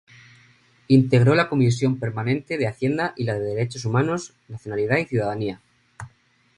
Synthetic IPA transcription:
int̪e̞ɣ̞ɾo̞lako̞mis̬jo̞mpe̞ɾmanẽnt̪e̞ð̞eaθje̞nd̪aʔilaðe̞ðeɾe̞t͡ʃosumãno̞s | naθjonalið̞aiθjuðaðania

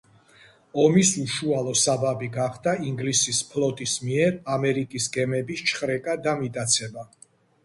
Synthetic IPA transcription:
ɔmisuʃualˠɔsababiɡaχd̪aiŋɡlisispʰlˠɔt̪ʼismiɛɾamɛɾikʼisɡɛmɛbist͡ʃʰχɾɛkʼad̪amit̪ʼat̪sʰɛba

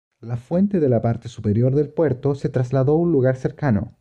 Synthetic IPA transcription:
lafwe̞nt̪eðelapaɾt̪esupeɾjo̞ɾðe̞lpwe̞ɾt̪oset̪ɾazlaðo̞unluɣaɾse̞ɾkano̰

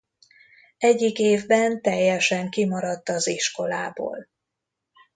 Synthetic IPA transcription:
ɛɟːikeːvbɛnt̪ɛjːɛʃɛŋkimɒɾɒt̪ːɒziʃko̞laːbo̰ːl

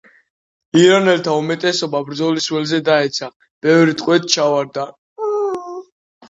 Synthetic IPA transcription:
iɾanɛlt̪ʰaumɛt̪ʼɛsɔbabɾd̪zɔliswɛlzɛd̪aɛt̪sʰa | b̥ɛvɾit̪ʼqʼwɛt̪ʰt͡ʃʰavaɾd̪a

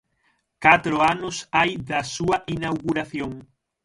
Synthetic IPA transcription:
kat̪ɾʊanʊsajðɐsuɐʔinawɣuɾaθjoŋ

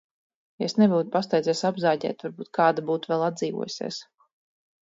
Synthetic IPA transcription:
esnɛvuːt̪past̪ɛjd̪zɛːsabzaːɟʲɛ̰ːt̪vaɾbuːt̪̚kaːd̪abuːt̪uvɛlˠad̪ziːvṵɔ̰jusʲḭːs

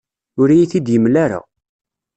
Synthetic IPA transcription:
ʊɾajiθid̪jəmlaɾa̰

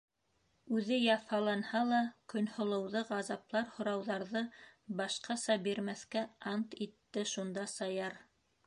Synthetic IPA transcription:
ʉðɘjɑfɑlˠɑnhɑlˠɑkɵ̆nhŏlˠɤ̆wðɤʁɑzɑplˠɑɾhŏɾɑwðɑɾðɤbɑʃqɑsɑbiɾmæθkæɑnt̪it̪ːɘʃund̪ɑsɑjɑɾ

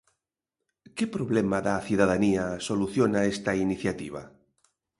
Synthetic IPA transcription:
kepɾoβlemaðaθjuðaðaniasoluθjonaest̪ainiθjat̪iβ̞a̰

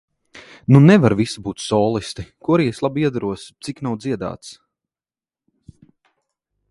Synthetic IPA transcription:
nunɛvaɾvisibuːt̪sɔːlˠist̪ikuɔɾiːeslˠabiɛd̪aɾuɔst̪siknawd̪ziɛd̪a̰ːt̪s

